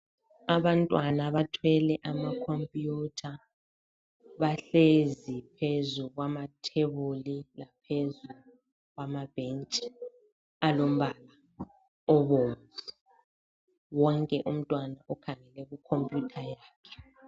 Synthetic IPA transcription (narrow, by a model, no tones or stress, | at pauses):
aβantʼwanaβatʰwɛlɛʔamakʰompʼjutʰa | βaɬezipʰezuɣwamatʰeβulilapʰezu | ɣwamab̥ent͡ʃʼ | alom̩βala | ɔβoːmvu | wɔŋkʼɛʔum̩tʼwanaʔɔkʰaŋɛlɛɣukʰompʼjutʰajaːkʰɛ̥